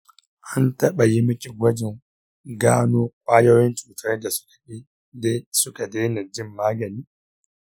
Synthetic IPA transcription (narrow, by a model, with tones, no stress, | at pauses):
ʔa˦ntɐ˦ɓa˨ji˦mɪ˦kʲʼi˨ɡʷɐ˦d͡ʒɪ˨ŋ | ɡaː˦noː˦kʷʼaː˦jo˦jɪ˦nt͡ʃuː˨tʰɐ˦rda˨sʊ̥˦kḁ˨i˦ | de˦sʊ˦ka˨deː˦na˨d͡ʒɪ˦˨mːaː˦ɡɐ˨niː˦